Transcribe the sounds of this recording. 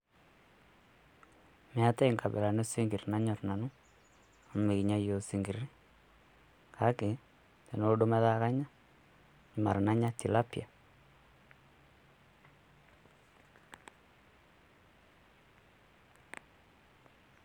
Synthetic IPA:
mɛ˨˦a˦te˦˨ŋka˨bɛ̰˨la˨no˦si˦ŋɡi˨rna˦ɲɔ˨ɾna˨nu˦ | a˨m˦me˨ki˨ɲa˦jo˨si˨ŋɡi˨ɾi˦ | kʰa˦ke˨ | te˨no˦ɗo˦mɛ˦ða˦ka˦ɲa˦ | ɲi˨ma˨ɾna˦ɲa˦ti˨la˦pja˨

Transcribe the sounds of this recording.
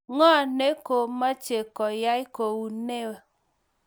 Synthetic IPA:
ŋɔ˦˨ne˦ko˨ma˦t͡ʃe˨kɔ˨ja˦i˦ko˨wu˨ne˦wa˨

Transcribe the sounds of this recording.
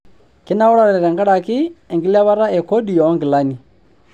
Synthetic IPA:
kɛ˦na˦ʊ˦ɾa˦ɾɛ˨ɛ˨ɾɛ˨ŋɡa˦ɾa˨kɪ˦ɛ˨ŋɡi˦la˦βa˦ɾa˦ɛ˨kɔ˦di˨jɔ˨ɔ˦ŋɡi˨la˦ni˨

